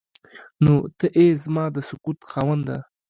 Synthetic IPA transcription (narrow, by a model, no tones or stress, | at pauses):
not̪əʔezmɑd̪əsʊkut̪xɑwand̪a̰